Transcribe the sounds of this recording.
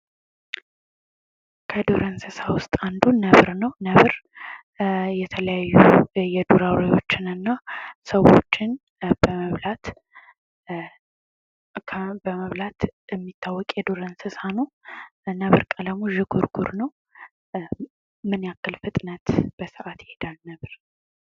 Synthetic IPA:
kʰəd̪oɾənsɨsawʊst̪ʼand̪uːəβɾnəwnəβɾ | jɛt̪ʰələjajːujɛd̪uɾawɾejot͡ʃːɪnɨnːasəwo̞̰t͡ʃːɪn | b̥əməβlat̪ | bəməβlat̪ɪmːit̪ʰːawːɔkʼjɛd̪oɾənsɨsanonəβɨɾkʼələmoʒɪɡuɾɡuɾnəw | mɨnjakːɨlfɨt̪ʼnət̪b̥əsɨʔat̪jɪhed̪alnəβɾ

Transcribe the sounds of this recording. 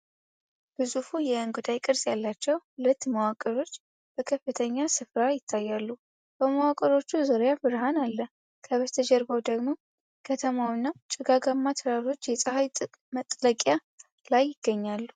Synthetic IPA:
b̥ɨzufujɛɨnɡud̪ajkʼɨɾsʼjalːat͡ʃːɛwʊlət̪ːməwakʼːəɾo̞t͡ʃː | b̥əkʰəfɨt̪ʰəɲːasɨfɾajɪt̪ʰːajːalːu | b̥əməwakʼəɾo̞t͡ʃːuzoɾjafɨɾhanalːə | kʰəβət̪ʰəd͡ʒɛɾbəwd̪əɡmo̞ | kʰət̪ʰəmawinːat͡ʃʼɪɡaɡamːat̪ʰɨɾaɾo̞t͡ʃːjɛsʼɨhaj | mət̪ʼːləkʼja | lajːɪɡ̥ːəɲːalːu

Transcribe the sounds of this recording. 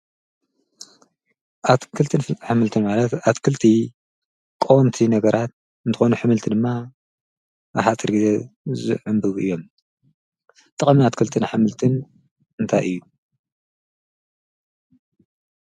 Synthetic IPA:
ʔat̪kʰɨlt̪ʰɨnħɨmɨlt̪ʰimalɐt̪at̪kʰɨlt̪ʰi | kʼowmt̪ʰinɐɡɐɾat̪̚ | ɨnt̪ʰɨxonuħɨmɨlt̪ʰid̪ɨmːa | ʔaħat͡s̪ʼɨɾɡize̞zɨ̰ʕʊmbɨβɨ̰jːo̞m | t̪ʼɨχʼmiat̪kʰɨlt̪ʰɨnħɨmɨlt̪ʰɨn | ɨnt̪ʰajʔɨjːu

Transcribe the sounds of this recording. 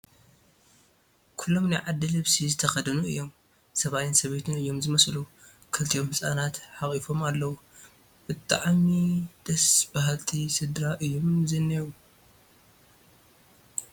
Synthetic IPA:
kʰulːo̞mnajʕad̪ːɨlɨβsizɨt̪ʰɐxɐd̪ɐnuʔɨ̰jːo̞m | sɐβajɪnsɐβe̞t̪ʰɨnɨjːo̞mzɨmɐslu | kʰɨlt̪ʰijo̞mhɨsʼa̰nat̪ħaχʼifo̞malːɐwu | b̥ɨt̪ʼːa̰ʕmid̪̥ɐsbahalt̪ʰisɨd̪ɾaʔɨjːomzɨnːewu

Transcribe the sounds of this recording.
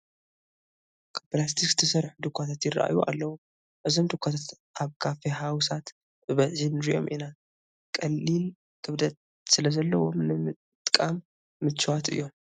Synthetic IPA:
kʰɐpɐlas̬t̪ʰikɨ̥t̪ʰɐsɐɾħud̪ɨkʷʰːat̪ʰat̪jɪra̰ʔa̰juʔa̰lːɐwu | ʔɨzo̞md̪ɨkʷʰːat̪ʰat̪ | ʔaβkʰafeɦawsat̪ | bɨβɐʕinɨɾiʔo̞̰mʔḭna | kʼɐlːil | k̪ʰɨβd̪ɐt̪̚ʼ | sɨlɐzɐlːɐwo̞mnɨmɨ | t̪ʼkʼamː | ɨt͡ʃːwat̪ɨ̰jːo̞m

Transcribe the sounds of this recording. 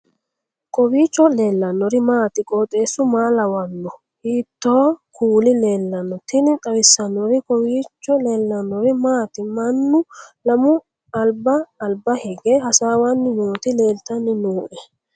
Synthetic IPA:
kɔbiːt͡ʃːɔle̞ːlːɐnːɔɾɪmaːt̪ɪkʼɔːt̪ʼe̞ːsːʊmaːlɐwɐnːɔ | hiːt̪ːoːkʰuːlɪle̞ːlːɐnːɔt̪ɪnɪt̪ʼɐwɪsːɐnːɔɾɪkɔwiːt͡ʃːɔleːlːɐnːɔɾɪmaːt̪ɪmɐnːʊlɐmʊ | ɐlbɐːlbɐhɛɡeːhɐsaːwɐnːɪnuːt̪ɪle̞ːlt̪ɐnːɪnuːʔɛ

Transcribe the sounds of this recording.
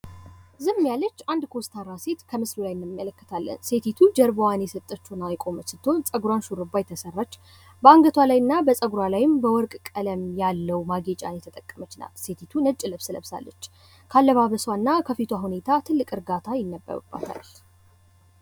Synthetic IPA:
zɨmːjalːət͡ʃːand̪kʰost̪ʰaɾːase̞t̪kʰəmɨslulajnːɨmːələkːə̥t̪ʰalːə̰nse̞t̪ʰit̪ʰud͡ʒəɾbowanjɛsət̪ʼːət͡ʃːunajkʼo̞mət͡ʃsɨt̪ʰːo̞nsʼəɡuɾanʃuɾɨbːajt̪ʰəsərːat͡ʃː | bəaŋɡət̪ʰwalajɨnːabəsʼəɡuɾalajɪmbəwɔɾkʼkʼələmjalːəwmaɡe̞t͡ʃʼa̰njɛt̪ʰət̪ʼəkʼːəmət͡ʃːna̰lse̞t̪ʰit̪ʰunət͡ʃʼːɪləβsɨləβsa̰lːə̰t͡ʃː | kʰalːəβaβəswanːakʰəfit̪ʰwaɦune̞t̪ʰat̪ʰɨlːɨkʼɨɾɡat̪ʰajɪnːəbːə̰ɾṵbːa̰t̪ʰa̰l

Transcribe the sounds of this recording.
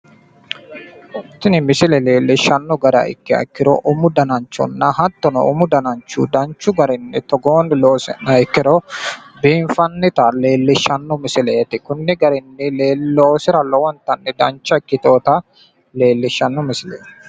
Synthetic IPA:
wɔt̪ːɪnɪmɪsɪlɛle̞ːlːɪʃːɐnːɔɡɐɾɐ̰ɪ̰kːɪɐ̰kːɪɾɔ̰ʔʊmʊd̪ɐnɐnt͡ʃːɔ̰nːɐɦɐt̪ːɔnɔ̰ʊmʊd̪ɐnɐnt͡ʃːṵːd̪ɐnt͡ʃːʊɡɐɾɪnːɪt̪ɔɡoːnloːsɛ̰nɐɪkːɪɾɔbiːɱfɐnːɪt̪ɐle̞ːlːɪʃːɐnːɔmɪsɪleːt̪ɪkʊnːɪɡɐɾɪnːɪleːlːoːsɪɾɐlɔwɐnt̪ɐnːɛd̪ɐnt͡ʃːɐɪkːɪt̪o̞ːt̪ɐ | le̞ːlːɪʃːɐnːɔmɪsɪlḛːt̪ɪ

